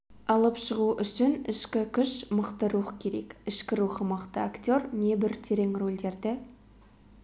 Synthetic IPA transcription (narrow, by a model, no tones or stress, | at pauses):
ɑlˠəpʃəʁuʔʏʃɪnɪʃkʲɪkʲʰʏʃməqt̪əɾuχkʲʰe̞ɾe̞̰kɪʃkʲɪɾuχəməqt̪əakt̪ʲo̞rne̞bɪɾt̪ʰe̞ɾe̞ŋro̞lʲd̪e̞ɾd̪ɪ